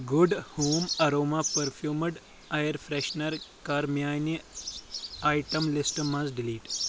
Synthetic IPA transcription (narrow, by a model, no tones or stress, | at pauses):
ɡuɖhoːmɐɾoːmapəɾfʰjuːməɖ | ajəɾfɾeɕnəɾkaɾmjaːjni | ajʈəmlisʈmazɖiliːʈ